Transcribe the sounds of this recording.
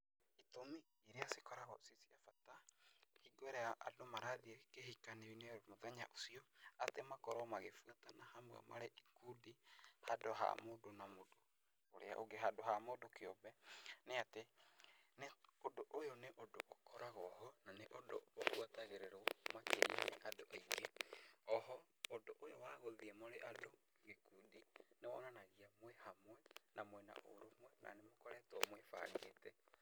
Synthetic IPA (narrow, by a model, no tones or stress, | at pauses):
itomi | iɾeasekɔɾaɣɔsisiafatahiɡoɾɛaʔa̰domaɾaðiekeɦikaneineɾomoðɛɲaʔosiɔatemakɔɾɔmaɣefuatanahamwa̰ma̰ɾɛʔikudihadoɦa̰modonamodo | o̰ɾḛa̰ʔoɡeɦadoɦamodokeɔbɛneate | neodoʔojoneʔodoʔokʰɔɾaɣɔhɔnaneʔodo̰βo̰ɣwataɣeɾeɾomakeɾienḛʔadoʔaiɡeɔɦɔː | doʔojowaɣoðiɛmoɾeʔado | ɣikudinewɔ̰nanaɣiamwɛhamwɛnamwɛna̰ʔo̰ɾomwɛnʔa̰nemokɔɾɛtwɔmoefa̰ɾɡetɛ